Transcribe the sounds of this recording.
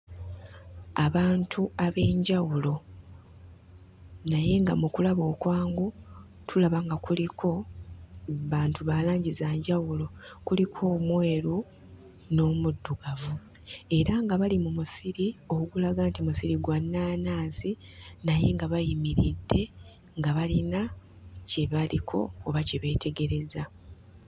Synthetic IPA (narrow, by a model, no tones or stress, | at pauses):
aβaːntʰuaβe̞ːɲɟawulo̞ | naje̞ŋɡamukulaβo̞ːkwaːŋɡu | tʰulaβaŋɡakulikʰo̞ | βaːntuβaːlaːɲɟizaːɲɟawulo̞kulikʰo̞ːmweːɾu | no̞ːmudːuɡavu | e̞ɾaŋɡaβalimumusiɾio̞kuɡulaɡantimusiɾiɡwanːaːnaːzi | naje̞ŋɡaβajimiɾidːe̞ | ŋɡaβalina | ceβalikʰo̞̰ːβaciβe̞ːtʰe̞ɡe̞ɾe̞za